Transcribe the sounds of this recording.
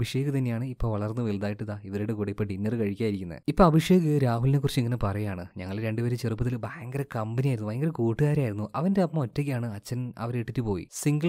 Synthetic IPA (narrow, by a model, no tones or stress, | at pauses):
bʱiʂe̞ːɣɨt̪ɐnːejaːɳɨipːo̞ːʋɐɭɐrnːɨʋeld̪aːjiʈːɨðaːiʋɐɾoɽekoɽipːeʈːinːerɨkɐɻikʲːaːjiɾikʲːunːɐ̰ðɨipːoːɐbʱiʂjeːɣɨɾaːɦulnek̬ːurt͡ɕːiŋːɐnepɐrɐjaːɳɨɲɐŋːɐɭɾe̞ɳɖɨʋeɾet͡ɕerupːɐt̪ilbɐjɐŋɡɐɾɐkɐmbɐnijaːjɾunubɐjɐŋɡɐɾkuːʈːɨɣaːɾaːjiɾunːuʔɐʋɐndeɐpːɐotːek̬ʲːjaːɳɨɐt͡ɕːɐnɐ̰ʋɐɾeʈːitːɨpo̞ːjḭsiŋɡɐ